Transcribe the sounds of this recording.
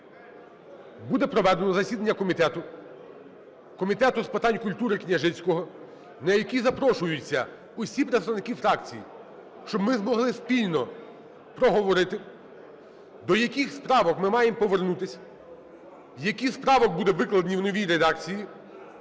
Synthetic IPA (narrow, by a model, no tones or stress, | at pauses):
bud̪ɛpɾɔʋɛd̪enɔzɐsʲid̪ɐnʲːɐkɔmʲit̪ɛt̪ʊ | kɔmʲit̪ɛt̪ʊspɪt̪ɑanʲkʊlʲt̪uɾɪknʲɐʒɪt͡sʲkɔɦɔ | nɐjɐkʲizɐpɾɔʃʊjʊt͡sʲːɐ | ʊsʲipɾet̪ɔʋnɪkʲifɾɑkt͡sʲijḭ | ʃt͡ʃɔbmɪzmɔɦlˠɪspʲilʲnɔ | pɾɔɦɔʋɔɾɪt̪ɪ | d̪ɔjɐkʲixspɾɑʋɔkmɪmɑjempɔʋernut̪ɪsʲɐ̥ | jɐkʲispɾɑʋɔk̚bud̪ɛʋɪklˠɐd̪nʲiwnɔʋʲijɾed̪ɑkt͡sʲiji